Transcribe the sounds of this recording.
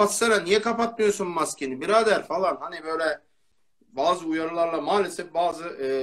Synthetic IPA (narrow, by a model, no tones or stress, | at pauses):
at̪saɾanijɛkapat̪̚mɯjo̞sunmascʲʰenibiɾaːd̪æɾfalˠanhanibøjlʲɛ | baːzɯujaɾɯlˠaɾlˠamaːlʲesɛfbaːzɯʔ